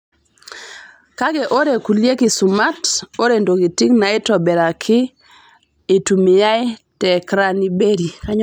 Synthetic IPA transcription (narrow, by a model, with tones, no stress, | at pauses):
ka˦ɡe˨ʔo˦ɾe˨ku˨lje˦kɪ˨sʊ˨ma˦to˦ɾe˨ndo˨ki˨ti˦kna˨ɪ˦tɔ˨bɛ˨ɾa˨kʰɪ˦˨ | tu˨mɪ˨ja˦ɪ˦tɛ˨kɾa˦ni˦be˦ɾi˨ka˦ɲ